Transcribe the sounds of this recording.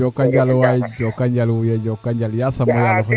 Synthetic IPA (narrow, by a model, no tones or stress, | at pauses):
ɔkaɲd͡ʒalwaid͡ʒokaɲd͡ʒalwujɛd͡ʒɔkaɲd͡ʒaljasamajalux